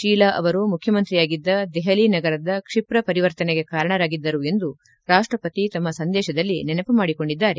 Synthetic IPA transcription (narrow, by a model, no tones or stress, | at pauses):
ʃiːlaːʔɐ̰ʋɐɾumukʰjɐmɐnt̪ɾijaːɡid̪ːɐd̪ɛɦɐlinɐɡɐɾɐd̪ɐkʂipɾɐpɐɾiʋɐɾt̪ɐneɡekaːɾɐɳɐɾaːɡid̪ːɐɾue̞nd̪u | ɾaːʂʈɾɐpɐt̪it̪ɐmːɐsɐnd̪ɛːʃɐd̪ɐlːinɛnɐpumaːɽiko̞ɳɖid̪ːaːɾe